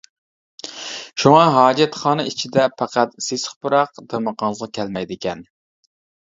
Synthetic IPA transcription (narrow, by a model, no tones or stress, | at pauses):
ʃuŋɑɦɑːd͡ʒɛt̪χɑːnɨit͡ʃʰid̪ɛpʰæqæt̪sesχbʊɾɑqd̪eməqʰɑnlˠəʁɑkʲʰɛlmɛjd̪ɪkʲɛn